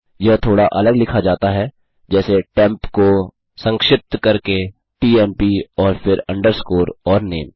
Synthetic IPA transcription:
jɐɦt̪ʰoːɽaʔɐləɡlɪkʰad͡ʒaːt̪aɦɛ | d͡ʒɛːseʈɛ̃ːmpko | sɐ̃ŋkʃɪp̚t̪kɐɾke | ʈiːɛːmpiɔːɾfʰɪɾɐ̃ɳɖəɾskoːɾɔːɾnḛːm

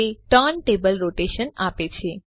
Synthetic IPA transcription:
eʈənʈebəlɾoʈeʃənapet͡ʃʰe

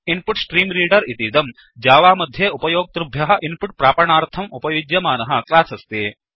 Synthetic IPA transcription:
inpuʈsʈɾiːmɾiːɖɐɾit̪id̪ɐm | d͡ʒaːʋaːmɐd̪ʱjeupɐjoːɡ̚t̪ɾubʱjɐɦɐ̆ʔinpuʈ̚pɾaːpɐɳaːɾt̪ʰɐmupɐjud͡ʒjɐmaːnɐɦɐ̆klaːsɐst̪eː

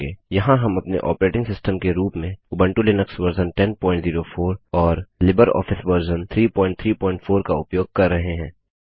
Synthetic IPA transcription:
eːjɐɦãɦɐmɐpnḛʔɔ̰ːpəɾeːʈɪ̃ŋɡsɪsʈəmkeɾuːpmẽʊbə̃ɳʈulɪnəksʋəɾzənʈɛnpɔ̃ːɪ̃ɳʈziːɾofʰoːɾɔːɾlɪbəɾɔ̰ːfɪsbəɾzənt̪ʰɾiːpɔ̃ːɪ̃ɳʈ̚t̪ʰɾiːpɔ̃ːɪ̃ɳʈfʰoːɾkaʊpjoːɡ̚kɐɾːɐɦeɦɛ̃ː

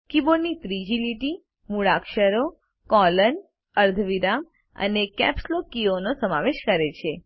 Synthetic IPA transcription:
kibonit̪ɾid͡ʒiliʈi | muɭakʃəɾo | kɔlən | əɾd̪ʱʋiɾam | ə̰nekɛ̰pslokionosəmaʋeʃkəɾet͡ʃʰe

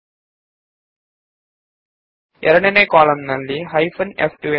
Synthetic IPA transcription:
eɾɐɳɐnekoːɭɐmnɐlːiɦɐjfɐnefʈue

